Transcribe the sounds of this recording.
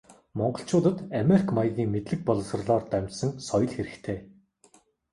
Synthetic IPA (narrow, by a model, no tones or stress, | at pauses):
mɔɴɢɞ̆ɬt͡ɕʰʊːt̪ə̆t̪ameɾikʰmajəɣʲiːŋmet̪ɮɘ̆k̚pɔɮɞ̆s̆rɮɔːrt̪æmʲt͡ɕsə̆ŋsɔjɞ̆ɮxeɾɘ̆kt̪ʰeː